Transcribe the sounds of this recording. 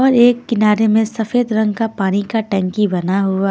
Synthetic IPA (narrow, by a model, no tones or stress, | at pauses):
ɔːɾeːkːɪnaːɾemẽsɐfeːd̪ɾɐ̃ŋɡ̚kapaːnikaʈɛ̃ːŋkibɐnaɦʊa